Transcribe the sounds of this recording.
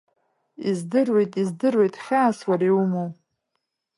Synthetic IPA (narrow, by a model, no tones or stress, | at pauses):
izdɨrwe̞jtʼizdɨrwe̞jtʼχʲaːswaɾiwumow